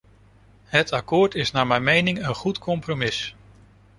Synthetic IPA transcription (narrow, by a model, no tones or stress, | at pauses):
ɦətakʊːɹtɪsnaːɹmɛjmejnɪŋənχutkʰɔmpromɪs